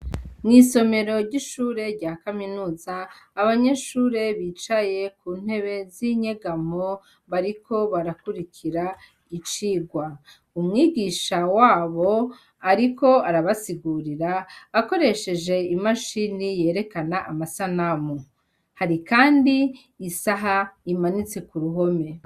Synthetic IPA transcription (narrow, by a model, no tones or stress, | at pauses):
mŋiːso̞me̞ɾo̞ɾɟiʃuːɾe̞ɾɟaːkaminuːzaːβaɲe̞ʃuːɾe̞βit͡ʃaje̞kuːn̥he̞βe̞ziɲeɡamo | βaɾikʰo̞βaɾakuɾikʰiɾa | it͡ʃiːɡwa | umŋiːɡiʃawaːβo̞ | aɾiko̞aɾaβasiɡuːɾiɾaːko̞ɾe̞ʃe̞d͡ʒe̞imaʃinije̞ːɾe̞kanaʔamasanamu | haɾikaːndiː | saɦaimanit͡se̞kuɾuɦo̞me̞